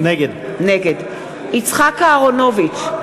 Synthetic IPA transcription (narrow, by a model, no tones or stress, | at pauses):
neɡed | neɡed | it͡sχakaːʁonovit͡ʃ